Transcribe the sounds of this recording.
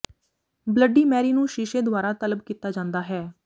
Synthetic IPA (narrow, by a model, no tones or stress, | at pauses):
bləɖiːmɛːɾiːnũːʃɪʃeːd̪ʊaːɾaːt̪ələb̚kiːt̪aːd͡ʒãːnd̪aːɦɛː